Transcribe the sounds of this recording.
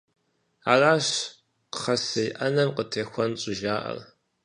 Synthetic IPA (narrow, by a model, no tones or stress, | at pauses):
a̰ːraːɕ | qə̥χɐsɐjʔɐnɐmqətʰeːxʷɔnɕʼʊʒaːʔɐ̰r